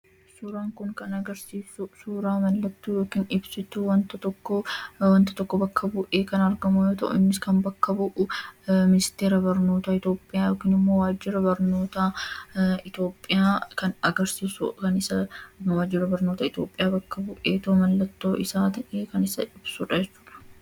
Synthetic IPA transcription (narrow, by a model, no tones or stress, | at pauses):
suːɾaːŋkʊŋkɐnɐɡɐɾsiːsʊsuːɾaːmɐlːɐt̪ːuːjoːkiːnɪbsɪt̪ːʊwɐnt̪ɐt̪ɔkːɔwɐnt̪ɐ̥t̪ɔkːɔbɐkʰːɐbʊʔe̞ːkɐnɐɾɡɐmʊjo̞ːt̪ɐ̰ʔʊ̰ɪnːɪskɐmbɐkːɐbʊʔʊmɪnɪst̪e̞ːɾɐbɐɾnoːt̪aɪt̪o̞ːpʼːɪjaːjoːkiːnɪmːo̞ːwaːd͡ʒːɪɾɐbɐɾno̞ːt̪a | ɪt̪o̞ːpʼːɪjaːkɐnɐɡɐɾsiːsʊ̰kɐnɪsɐwaːd͡ʒːɪɾɐbɐɾno̞ːt̪ɐɪt̪o̞ːpʼɪjaːbɐkːɐbʊʔeːt̪ɐʔʊmɐlːɐt̪ːo̞ːʔɪsaːt̪ɐʔeːkɐnɪsɐɪb̥sʊᶑɐd͡ʒɛt͡ʃːu̥ːᶑɐ̥